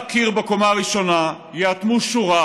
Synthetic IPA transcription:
kiʁbekomaʁiʃo̞na | jeat̪muʃuʁa

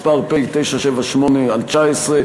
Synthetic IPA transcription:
paʁpejt̪ejʃaʃevaʃmonealt͡ʃaesʁe

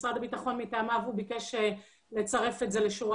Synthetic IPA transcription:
sʁadabitaχo̞nmitaːmavubike̞ʃe | le̞t͡saʁe̞fetze̞leʃu

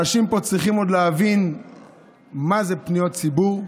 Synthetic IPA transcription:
aʃimpo̞t͡sʁiχimo̞d̪leavin | maze̞pnijott͡sibuʁ

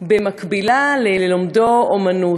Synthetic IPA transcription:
bemakbilaleelomdoomanu

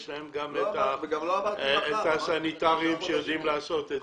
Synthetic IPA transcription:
ʃlaemɡamet̪aɡamet̪asanit̪aʁiimʃejod̪imlaːso̞t̪e

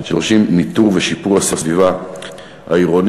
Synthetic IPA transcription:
ʃeʁʃimːit̪uʁveʃipuʁasasviva | ha̰iʁon

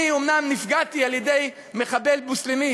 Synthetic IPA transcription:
iomnamnifɡat̪ialjed̪e̞j | meχabe̞lbuslemi

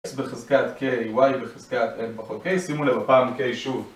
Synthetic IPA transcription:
sbeχezkat̪kejwajbeχizkat̪enpaχot̪̚kejsimulevapaːmkejʃuv

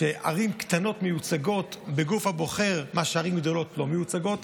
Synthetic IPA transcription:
eʔa̰ʁimkt̪ano̞tmejut͡saɡo̞tbeɡufhabo̞χe̞ʁmaʃeaʁimɡd̪o̞lo̞tlo̞mejut͡saɡo̞t

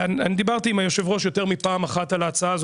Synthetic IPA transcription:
ananid̪ibaʁt̪iimajoʃevʁo̞ʃjo̞t̪eʁmipaːmaχatalaːt͡saaːz

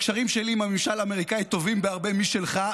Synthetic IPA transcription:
kʃaʁimʃeliːmamemʃalameʁikait̪o̞vimbeaʁbe̞miʃe̞lχa

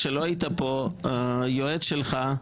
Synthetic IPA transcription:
ʃeloajit̪apo | joedʃelχa

